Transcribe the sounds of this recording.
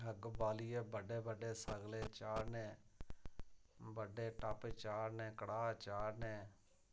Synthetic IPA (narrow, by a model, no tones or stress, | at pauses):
ɦəɡbaːliːeːbəɖeːbəɖeːsəɡleːt͡ʃaːɾnẽː | bəɖeːʈapet͡ʃaːɾneːkəɽaːt͡ʃaːɾneː